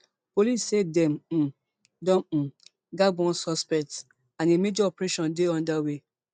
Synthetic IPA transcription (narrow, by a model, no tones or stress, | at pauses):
polissedɛ̃m̩ | dɔ̃m̩ | ɡaɡɔ̃nsɔspɛk̚ts | ãnemed͡ʒɔɔpɾeʃɔ̃ndeɔ̃ndawe